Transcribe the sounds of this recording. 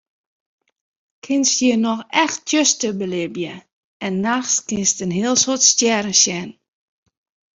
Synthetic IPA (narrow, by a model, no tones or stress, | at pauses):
kʰɪnstjiənɔxɛxttʰjøstəbəlɪbjə | ɛnːaxskɪnstənɦiəlˠsotstjɛɾəsjɛn